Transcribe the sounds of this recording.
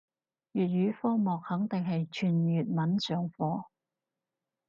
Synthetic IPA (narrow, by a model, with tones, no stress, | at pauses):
jyː˨t̚ɥyː˨˥fɔː˥mɔː˨k̚hɐ˨˥ŋt̪ɪ˨ŋɦɐ˨jt͡ʃʰyː˨˩njyː˨t̚mɐ˨˥nsœː˨˩ŋfɔː˨˥